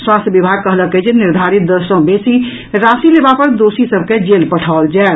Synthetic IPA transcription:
swast̪jəbibʱaɡ̚kəɦləked͡ʒeniɾd̪ʱaɾit̪̚d̪əɾsə̃besi | ɾasilebapəɾd̪osisəbʱked͡ʒelpəʈʰaold͡ʒae

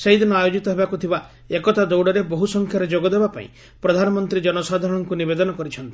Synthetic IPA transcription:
sejd̪inɔajod͡ʒit̪ɔɦebakut̪ʰiba | ekɔt̪ad̪owɽɔɾeboɦusɔŋkʰjaɾed͡ʒoɡɔd̪ebapa̰ḭ̃ | pɾɔd̪ʱanɔmɔnt̪ɾid͡ʒɔnɔsad̪ʱaɾɔɽ̃ɔŋkunibed̪ɔnɔkɔɾit͡ʃʰɔnt̪i̥

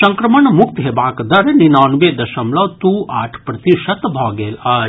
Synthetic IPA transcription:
sɐŋkɾɐmɐɳɐmukt̪ɦebaːkɐd̪ɐɾeninaːnʋeːd̪ɐʃɐmlɐʋt̪uːa̰ːʈʰpɾɐt̪iʂɐt̪bʱaːɡeːlaː

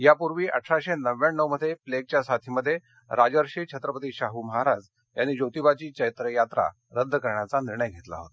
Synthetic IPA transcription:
japuɾʋiːʔə̰ʈʰɾaɕenəʋːjaɳːəwməd̪ʱjepleɡ̚t͡ɕjasat̪ʰiːməd̪ʱːje | ɾad͡zəɾɕiːt͡ɕʰət̪ɾəpət̪iːɕaɦuməɦaɾad͡z | janːiːd͡ʑot̪ibat͡ɕiːt͡ɕəjt̪ɾəjat̪ɾa̰ | ɾəd̪ʱːəkəɾɳjat͡saniɾɳəjɡʱet̪la̰ɦo̰t̪a

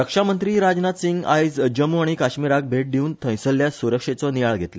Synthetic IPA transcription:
ɾəkʂamənt̪ɾiːɾad͡znat̪siŋɡa̰jd͡zd͡ʑəmuaɽ̃ikaɕmiɾak̚bʱeʈ̚d̪ʱiuːnt̪ʰə̃j̃səlːjasuɾəkʂet͡sɔnijaɭɡʱet̪le

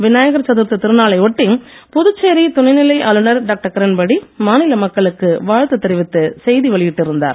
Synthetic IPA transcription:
ʋɪnaːjɐɣɐɾt͡ʃɐðɯɾt̪ɯt̪ɪɾɯnaːlɐɪɔʈːɪŋ | pʊðɯt͡ʃːeːɾit̪ʊnɐɪnɪlɐɪʔaːlɯnɐɾɖaːk̚ʈɐɾkɐɾɐnbɐɽimaːnɪlɐmɐkːɐɭɯkːɯʋaːɻt̪ːɯt̪ːɪɾɪʋɪt̪ːɯsɛjðiʋɐɭɪjɪʈːɪɾɯnd̪a̰ːɾ

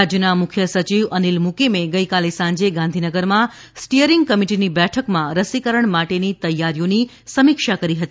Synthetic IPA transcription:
ad͡ʒjənamʊkʰjəsət͡ʃiʋənilmukemeɡəjkalesãɲd͡ʒeɡãnd̪ʱinəɡəɾmã | sʈijəɾiŋɡ̚kəmiʈinibɛʈʰəkmãɾəsikəɾəɳmaʈenit̪əjːaɾjoni | səmikʃakəɾiɦət̪i

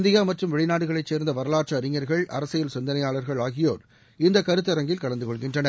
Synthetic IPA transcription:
nd̪ɪjaːmɐʈrɯmʋɛɻɪnaːɽɯɣɐɭɐɪt͡ʃːeːɾnd̪ɐʋɐɾɐlaːʈʂɐɐɾɪŋːɐɾɣɐɭʔɐ̰ɾɐsɐjɪlsɪnd̪ɐnɐjaːɭɐɾɣɐɭaːɣɪjoːɾ | ɪnd̪ɐkɐɾɯt̪ːɐɾɐŋɡɪlkɐɭɐnd̪ɯkɔɭɣɪndrɐnɐɾ

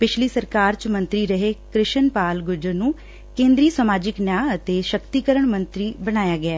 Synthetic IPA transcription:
pɪt͡ʃʰliːsəɾkaːɾt͡ʃmə̃nt̪ɾiːɾəɦeːkɾɪʃənpaːlɡʊd͡ʒənũː | kẽːnd̪ɾiːsamaːd͡ʒɪknjaːət̪eːʃəkt̪iːkəɾəɳmə̃nt̪ɾiːbəñaːjaːɡɪɛː

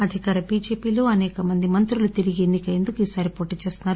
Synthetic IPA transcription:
ɐd̪ʱikaːɾɐbiːd͡ʒe̞ːpiːlo̞ːɐnɛːkɐmɐnd̪imɐnt̪ɾulut̪iɾiɡienːikɐjend̪ukuiːsaːɾipoːʈiːt͡ʃe̞ːst̪unːaːɾu

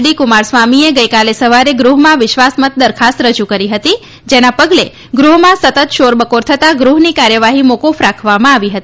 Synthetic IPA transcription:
ɽikumaɾsʋamieɡəjkalesəʋaɾeɡɾuɦmãʋɪʃʋasmət̪̚d̪əɾkʰast̪ɾəd͡ʒukəɾiɦət̪i | d͡ʒenapəɡle | ɡɾuɦmãsət̪ət̪ʃoɾbəkoɾt̪ʰət̪aɡɾuɦnikaɾjəʋaɦimokufɾakʰʋamãaʋiɦət̪i

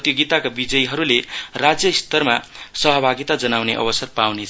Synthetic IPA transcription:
t̪joɡit̪akabid͡zʌjɦʌɾulerad͡zjʌist̪ʌrmasʌɦʌbʱaɡit̪ad͡zʌnawneʔʌ̰bʌsʌrpawnet͡sʰ

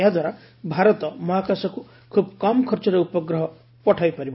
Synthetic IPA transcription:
jad̪waɾa | bʱaɾɔt̪ɔmɔɦakasɔku | kʰub̚kɔmkʰɔɾt͡ʃɔɾɔupɔɡɾɔɦɔ | pɔʈʰajpaɾib

